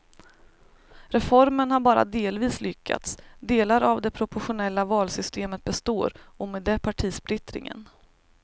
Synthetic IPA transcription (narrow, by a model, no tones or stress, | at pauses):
ɾɛfɔɾmənhaɾbɑːɾa̰d̪eːlviːslʏkʰːa̰t̪sd̪eːlaɾavd̪ɛpʰɾʊpʊɧʊnɛlːavɑːlsʏst̪eːmət̪̚bɛst̪oːɾɔmeːd̪ːɛpʰaʈʰiːspɾɪt̪ɾɪ̰ŋə̰n